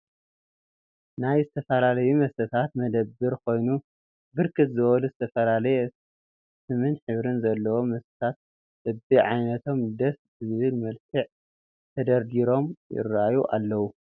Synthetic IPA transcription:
najzɨt̪ʰɐfɐlalɐjumɐsɐt̪ʰat̪mɐd̪ɐbːɨɾkʰo̞jnu | bɨɾkʰɨt̪zɨwɐluzɨt̪ʰɐfɐlalɐjɛ | sɨmɨnħɨβɾɨnzɐlːɐwomɐst̪ɐ̥t̪ʰat̪̚ | ʔɨbiʕajnɐt̪ʰo̞md̪ɐszɨzɨβɨlmɐlkʰɨʕ | t̪ʰɐd̪ɐɾd̪iɾo̞mjɪ̰rajuʔa̰lːɐwu

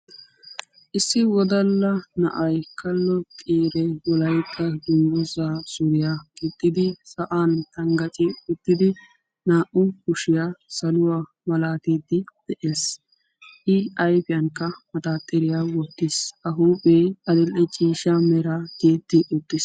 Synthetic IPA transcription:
ʔɪsːɪwɔd̪ɐlːɐnɐʔɐjkʰɐlːɔtʼiːɾɛwɔlɐjkʰːɐd̪ʊndɔzaːsʊɾɪjaɡɪt̪ːɪd̪ɪsɐʔaːnt̪ɐŋɡɐt͡ʃʼɪʊt̪ːɪd̪ɪ | naːʔʊkʊʃɪjaːsɐlʊwaː | mɐlaːt̪eːd̪ɪd̪̥ɛʔeːs | ʔɪɐjpɪjɐŋkːɐmɐt̪aːt̪ʼːɪɾɪjaːwɔt̪ːɪsʔɐɦuːpʼeːɐd̪ɪlʔɛt͡ʃʼiːʃamɛɾaːd̪eːd̪ɪʔʊt̪ːɪs

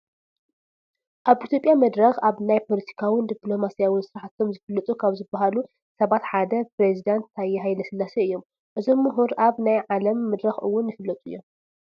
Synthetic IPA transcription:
ʔaβit̪ʰjo̞pʼjamɐd̪ɾɐxaβnajpʰo̞lɐt̪ʰi̥kʰawɪnd̪iplo̞masijawɪnsɨɾaħat̪ʰːo̞mzɨfɨlːɐt̪ʼukʰaβzɨbːaɦalu | sɐβat̪ħad̪ɐpɾezid̪ant̪ːajːɛɦajlɐsɨlːasɐɨjːo̞m | ʔɨzo̞mːuɦuɾʔaβnajʕalɐmːɐd̪ɾɐxɨ̰wːʊnjɨfɨlːɐt̪ʼujːo̞m

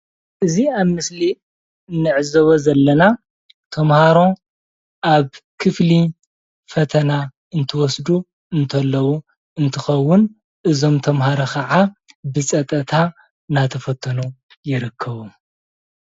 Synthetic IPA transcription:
ʔɨziaβmɨsli | ɨnːɨʕɨzɐβozɐlːɐna | t̪ʰɐmhaɾo̞ | ʔaβkʰɨfli | fɐt̪ʰɐna | ɨnt̪ʰɐwɔsd̪u | ɨnt̪ʰɐlːɐwu | ɨnt̪ʰɨxɐwːʊn | ʔɨzo̞mt̪ʰɐmhaɾɐkʰɐʕabɨsʼɐt̪ʼɐt̪ʰa | nat̪ʰɐfɐt̪ʰːɐnu | jɪɾɨkʰːɐβu

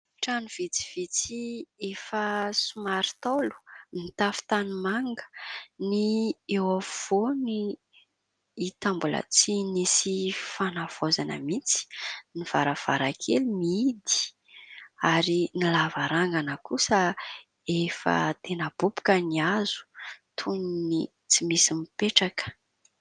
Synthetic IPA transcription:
ʈ͡ʂanuv̥it͡si̥v̥it͡siefəsumaɾi̥t̪olu̥mit̪afi̥t̪animaŋɡə̥niewav̥oni | it̪ambulə̰t͡sinisifanav̥ozanə̰mit͡si̥niv̥aɾav̥a̰ɾakʰelumiid̪i̥ | aɾinilavaɾaŋɡanəkusə | efə̰t̪enəb̥upu̥kəniazu̥t̪ʰunini | t͡simisimipeʈ͡ʂakə̥

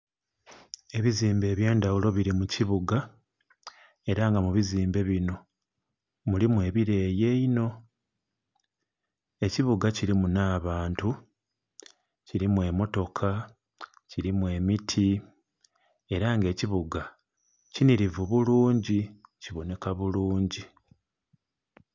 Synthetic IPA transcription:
e̞βiziːmbe̞ːβje̞ːndawulo̞βiɾimuciβuɡa | e̞ɾaŋɡamuβiziːmbe̞βino̞ | mulimwe̞ːβiɾe̞ːje̞ino̞ | e̞ciβuɡaciɾimunaːβaːntu | ciɾimwe̞mo̞to̞kʰa | ciɾimwe̞mitʰi | e̞ɾaŋɡe̞ːciβuɡa | ciniɾivuβuluːɲɟiciβo̞ne̞kaβuluːɲɟi

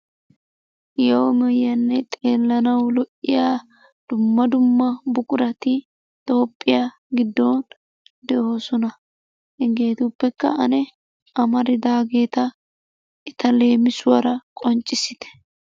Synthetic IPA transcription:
jɐwmɛjːɐnːɛt̪ʼe̞ːlːɐnɐwlɔʔɪjaː | d̪̥ʊmːɐd̪ʊmːɐbʊkʼʊɾɐt̪ɪ | t̪ʼo̞ːpʼːɪja | ɡɪd̪ːoːn | d̪ɛʔo̞ːsɔnɐ | hɪŋɡe̞ːt̪upːɛkːɐ̰ɐnɛ | ɐmɐɾɪd̪aːɡe̞ːt̪ɐ | ʔɪt̪ɐle̞ːmɪsʊwɐɾɐkʼɔnt͡ʃʼːɪsɪt̪ɛ̥

